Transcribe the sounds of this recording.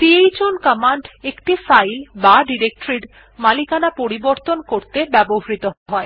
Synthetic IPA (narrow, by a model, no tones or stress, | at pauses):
t̪iejd͡ʑonkamaɳɖekʈifajlbaɖiɾek̚ʈɾiɖ | malikanapoɾiboɾt̪onkoɾt̪ebɛboɦaɾit̪oɦɔe